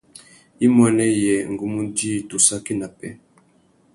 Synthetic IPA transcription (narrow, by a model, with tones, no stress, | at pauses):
i˦mwɛ˦nɛ˦jɛ˨ŋ̩˨ɡu˦mu˦di˦˨tu˨sa˦ki˦na˨pɛ̰˦